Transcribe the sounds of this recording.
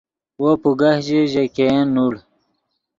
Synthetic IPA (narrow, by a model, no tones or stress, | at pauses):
wopuɡahʑeʑekenːuɽ